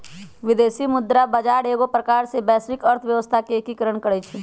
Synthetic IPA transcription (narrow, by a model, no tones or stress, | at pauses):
ʋɪd̪eːʃimʊd̪ɾabɐd͡ʒaːɽeːɡopɾəkaːɾsebɛːsɾɪkəɾt̪ʰʋjɐʋəst̪ʰakeeːkikəɾəɳkəɽet͡ʃʰeː